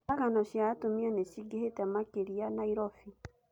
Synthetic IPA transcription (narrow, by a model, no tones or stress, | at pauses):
aɣanɔɕjatomianeʃiɡehetɛmakeɾianaiɾɔfi